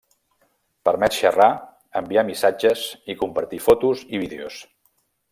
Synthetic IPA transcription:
pəɾmɛt̪ʃəra | əmbiamisad͡ʒəzikumpəɾt̪ifɔt̪uziβiðeo̰s

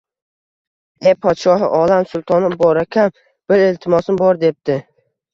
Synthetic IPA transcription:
epʰɒt̪ʃɒɦɪʔɒlamsʊlˠt̪ʰɒnɪbɒɾakʲʰam | b̥ɪɾelt̪ʰɪmɒsɪmbɒɾd̪e̞p̚t̪ɪ

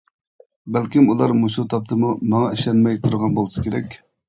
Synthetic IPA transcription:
bælkʲimulˠɑɾmuʃut̪ʰɑp̚t̪ʰɨmumɑŋɑɪʃlɛnmɛjt̪ʰuɾʁɑnbolˠɨsɨ̥kʲeɾɛkʲ

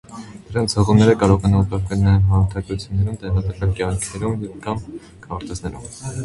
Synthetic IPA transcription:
d̪̥əɾɑnt͡sʰhəʁumnɛɾəkɑɾɔʁɛnɔlkɑɾkənnɛnɦɑɾʊɾt̪ʰɑɡɾut͡sʰjunːɛɾumt̪ɛʁɑt̪əkɑnkjɑŋkʰnɛɾumjkʰɑm | kʰɑɾt̪ɛznɛɾṵm

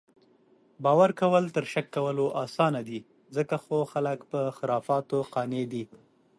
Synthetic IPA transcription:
bɑwaɾkawəlt̪əɾʃakːawəloʔɑsɑnad̪i | zəkaxoxaləkpəxɪɾɑfɑt̪oqɑned̪i

